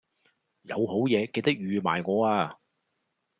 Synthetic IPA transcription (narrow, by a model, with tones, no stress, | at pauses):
jɐ˨˧who˨˥wjɛː˨˧ke˧jt̪ɐ˥k̚jyː˨ma̰ː˨˩jŋɔː˨˧aː˧